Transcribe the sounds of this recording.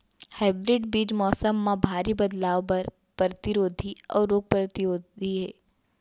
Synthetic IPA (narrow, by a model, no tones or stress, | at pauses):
haːɪbɾɪɖbiːd͡ʒmɔːsəmːãbʱaːɾibɐd̪laːʋpɐɾ | pɾət̪ɪɾoːd̪ʱiɔ̰ːɾːoːɡ̚pɾət̪ɪjoːiɦɛː